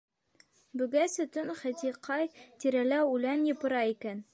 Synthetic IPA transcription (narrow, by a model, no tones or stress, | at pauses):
bɵ̆ɡæsɵ̆t̪ɵnχæ̆t̪iqʰɑjt̪iɾælæʉlænjɤ̆pɤ̆ɾɑikæn